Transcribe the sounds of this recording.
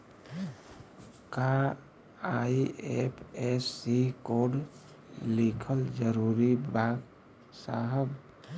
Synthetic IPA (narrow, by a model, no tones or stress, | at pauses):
ka | aiepʰesːikoɖ | likʰəld͡ʒəɾuːɾibaɡ | saɦəb